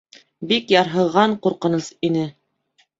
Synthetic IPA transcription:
bikjɑɾɦɤ̆ʁɑɴquɾqɤ̆nɤsinɘ

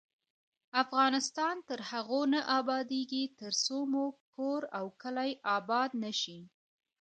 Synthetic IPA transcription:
afɣɑnɪst̪ɑnt̪əɾhaɣonaʔɑbɑd̪eɡit̪əɾsomoɡ̚koɾawkəlajʔɑbɑd̪̚nəʃi

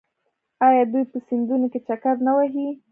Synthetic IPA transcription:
ɑjɑd̪ujpəsind̪unoket͡ʃakaɾnawaɦi

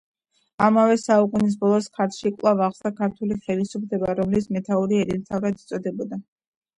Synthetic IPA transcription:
amavɛsauqʼunis̬bɔlˠɔskʰat̪ʰʃikʼwlˠavaχsakʰaɾt̪ʰuliχɛlisupʰlɛbaɾɔmlismɛt̪ʰauɾiɛɾit̪ʰavɾad̪it̪sʼɔd̪ɛbɔd̪a

